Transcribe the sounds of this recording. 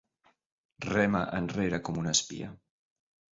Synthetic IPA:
rɛmaʔənreɾakɔmunəspḭa̰

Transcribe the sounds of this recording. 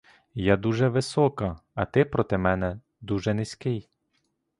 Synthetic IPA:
jad̪uʒɛʋɪsɔkɐɐt̪ɪpɾɔt̪ɪmɛnɛ | d̪uʒɛnɪsʲkɪj

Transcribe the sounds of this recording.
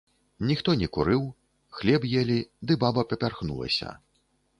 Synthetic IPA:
nʲixt̪ɔnʲɛkuɾɨw | xlʲɛbjɛlʲid̪ɨbabɐpʲɐpʲarxnṵlˠɐ̰sʲɐ̰

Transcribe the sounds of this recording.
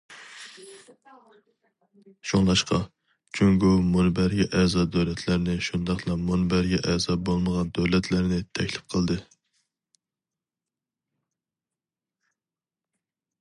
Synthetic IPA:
ʃoŋlˠɑʃqʰɑ | t͡ʃʰyŋɡumunbæɾɡʲɛʔɛzɑːd̪øwlɛt̪ʰlæɾnɪʃund̪ɑχlˠɑmonbæɾɡʲɛʔɛzɑːbolˠməʁɑnd̪øwlɛt̪ʰlæɾnɪt̪ʰɛkʲlɪp̚qʰəlˠd̪ɨ

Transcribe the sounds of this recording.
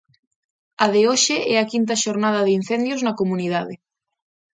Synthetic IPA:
ɐðeoʃeʔɛɐkint̪ɐʃoɾnað̞ɐðin̟θend̪joznɐkomuniðaðe

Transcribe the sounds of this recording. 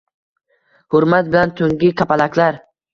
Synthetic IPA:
hʊɾmat̪̚bɪlant̪ʰɵŋɡʲɪkʲʰapalakʰʲlaɾ

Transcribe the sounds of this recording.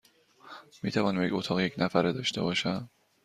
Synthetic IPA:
miːt̪ʰævɒːnmeɟot̪ʰɒːɣjecʰnæfæɾed̪ɒːʃt̪e̞̰bɒːʃæm

